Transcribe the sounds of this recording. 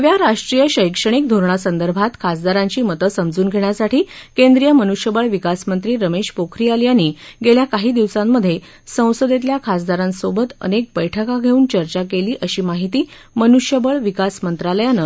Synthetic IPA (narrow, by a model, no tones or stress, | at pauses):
ɦəʋjaɾaʂʈɾijəɕəjkʂəɽ̃ik̚d̪ʱoɾɳ̃asənd̪əɾbʱat̪kʰas̬d̪aɾãɲt͡ɕiːmət̪əsəmd͡zuːnɡʱeɳ̃jasaʈʰiːkend̪ɾijəmənuɕjəbəɭʋikasmənt̪ɾiːɾəmeɕpokʰɾijaljaniːɡeljakaɦiːd̪iʋsamːəd̪ʱːje | sə̃w̃səd̪et̪̬ljakʰasd̪aɾãnsobət̪ə̰nek̚bəjʈʰəkaɡʱeuːnt͡ɕəɾt͡ɕakeliːʔəɕiːmaɦit̪iː | mənuɕjəbəɭʋikasmənt̪ɾaləjanə